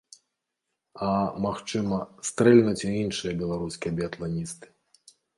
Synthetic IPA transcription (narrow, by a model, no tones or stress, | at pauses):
amaxt͡ʂɨmɐst̪ɾɛlʲnɐt͡sʲiinʂɨjɐbʲɛlˠaɾuskʲijɐbʲɛɐt̪lˠanʲist̪ɨ̥